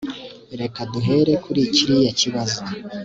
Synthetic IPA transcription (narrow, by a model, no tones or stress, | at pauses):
ɾe̞kaduɦe̞ɾe̞kuɾiciɾijaciβazo